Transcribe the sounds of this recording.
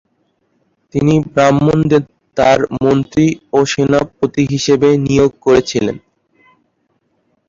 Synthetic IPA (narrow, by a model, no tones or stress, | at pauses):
t̪inibɾamːond̪e | t̪aɾmont̪ɾioʃenapɾot̪iɦiʃebenijoɡ̚koɾet͡ɕʰilḛn